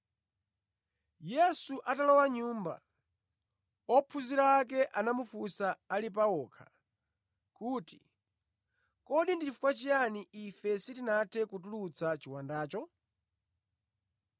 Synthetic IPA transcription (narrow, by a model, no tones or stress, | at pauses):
jɛsuʔatalɔwaɲuːmba̰ | ɔpʰuziɾaːk̬ɛʔanamufusaalip̬aɔːkʰḁ | kuːti̥ | kɔɗindit͡ʃifu̥kwat͡ʃijaniʔifɛsitinatʰɛkutulut͡sat͡ʃiwandaːt͡ʃɔ